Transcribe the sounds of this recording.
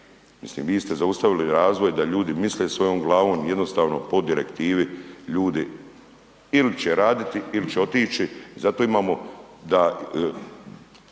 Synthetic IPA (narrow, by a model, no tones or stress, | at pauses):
mislḭːmʋiːst̪e̞zaust̪aʋiliɾaːzʋo̞jd̪aʎuːd̪imisleːsʋo̞jo̞ːmɡlˠaːʋo̞ːmje̞d̪no̞st̪aːʋno̞po̞d̪iɾekt̪iːʋiʎuːd̪i | ilit͡ɕeɾaːd̪it̪iilit͡ʃeo̞t̪iːt͡ʃizat̪oːimaːmod̪a